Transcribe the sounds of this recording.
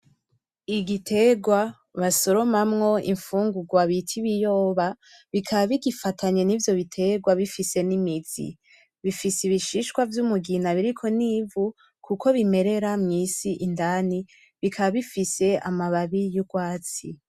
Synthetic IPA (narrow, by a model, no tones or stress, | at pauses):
iɡitʰe̞ɡwa | βaso̞ɾo̞mamŋo̞ḭɱfuːŋɡuɡwaβitʰiβijo̞ːβa | βikʰaβaβiɡifatʰaɲe̞nivjo̞βitʰe̞ɡwaβifise̞nimizḭ | βifisiβiʃiʃkwavjumuɡinaβiɾikʰo̞niːvu | kʰuko̞βime̞ɾe̞ɾamŋiːsiʔindani | βikʰaβaβifise̞a̰maβaβijuɡwaːt͡si